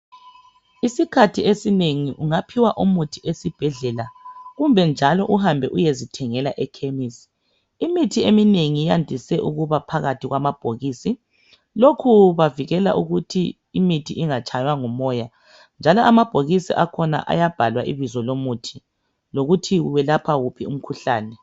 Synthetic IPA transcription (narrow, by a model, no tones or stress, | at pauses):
isikʰatʰiesineŋiʔuŋapʰiwaʔumutʰiʔesib̥ʱɛɮɛlaɣumbʱɛnd͡ʒʱalɔʔuhambʱɛʔujezitʰɛŋɛlaʔɛkʰemisi̥ | imitʰiemineŋijandʱisɛʔuɣuβapʰaɣatʰiɣwamab̥ʱoɣiːsi | lokʰuβaviɣɛla̰ʔuɣutʰḭ | imitʰiʔiŋat͡ʃʰʼajwaŋumɔja | nd͡ʒʱalɔʔamab̥ʱoɣisḭʔakʰɔna̰ʔa̰jab̥ʱalwaʔḭβizɔlomutʰi | loɣutʰiɣuβɛlapʰaɣupʰium̩kʰuɬaːnɛ